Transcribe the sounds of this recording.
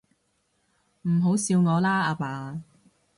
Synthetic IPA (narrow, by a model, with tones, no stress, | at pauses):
m̩˨˩ɦo˨˥wsiː˧wŋɔː˨˧laː˥aː˧paː˨˧